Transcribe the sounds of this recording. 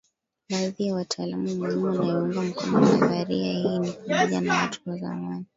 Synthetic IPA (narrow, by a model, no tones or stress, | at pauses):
ɓaðijawatʰaːlamumɛɲimuwanajiuŋɡam̩kɔ̰nɔnafaɾiahiːnipamɔʄanawatʰu̥waza̰mani